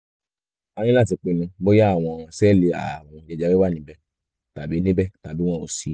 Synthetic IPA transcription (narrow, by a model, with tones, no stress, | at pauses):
a˧nĩ˦la˦˨ti˨˧k͡pe˨nũ˧bo˦ja˦a˦˨w̃ɔ̃˧ɔ̃˨ã˧sɛː˦˨le˧a̰˨w̃ɔ̃˧d͡ʒɛ˧˦d͡ʒa˦wi˦wa˦˨nĩ˨˦bɛ˦ | ta˨bi˨˦nẽ˦bɛ˦ta˨bĩ˦ɔ̃˦˨o˨si˨˦